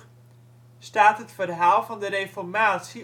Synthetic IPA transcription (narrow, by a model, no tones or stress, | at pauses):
staːtɦətfərɦaːlˠvɔndəɾejfɔrmaːtsi